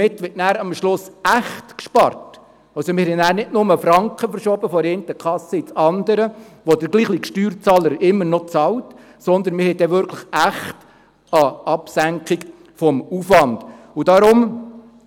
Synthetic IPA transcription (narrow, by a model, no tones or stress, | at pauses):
mɪtːʋɪtnæːɾɑmʃlʊsæχtkʃpɑ̰rt | ɑlsɔmɪɾhɛnæːɾnɪdnʊməfɾɑŋkχəfəɾʃɔbəfɔɾɛːnt̪əkʰχɑsəɪt͡sɑnd̪əɾəʋɔdəɾɡliːχlikʃtyːɾt͡sɑːləɾɪmːəɾnɔt͡sɑlt | sɔnd̪ənmɪɾhɛɪd̥ɛʋʏɾkʰləχæχt | ɑɑpsæŋkχiɡ | fɔmufʋɑnd̥ | ud̥ɑɾʊm